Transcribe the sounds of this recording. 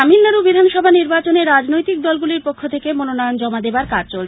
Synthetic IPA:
amilnaɾubid̪ʱanʃɔbʱaniɾbat͡ɕoneɾːad͡ʑnojt̪ik̚d̪ɔlɡuliɾpokʰːot̪ʰekemononɔjond͡ʑɔmad̪ebaɾkad͡ʑt͡ɕolt͡ɕʰ

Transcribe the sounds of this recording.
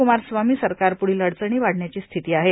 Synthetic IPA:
umaɾsʋamiːsəɾkaɾpuɽiːləɽt͡səɳ̃iːʋaɽ̤ɳjat͡ɕiːst̪ʰit̪iːaɦe

